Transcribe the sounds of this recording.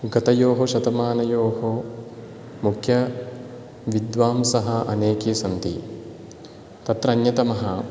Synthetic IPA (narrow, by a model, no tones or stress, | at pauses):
ɡɐt̪ɐjoːɦoʃɐt̪ɐmaːnɐjoːɦo | mukʰjɐ | ʋid̪ʋaːmsɐɦɐʔɐ̰neːkisɐnt̪ḭ | t̪ɐt̪ɾɐnjɐt̪ɐmɐɦɐ